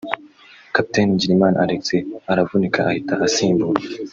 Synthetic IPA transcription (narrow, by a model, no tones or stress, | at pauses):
kapi̥tenɟiɾimaːnaaɾekt͡seaɾavunikʰaʔahitaʔasiːmbuɾe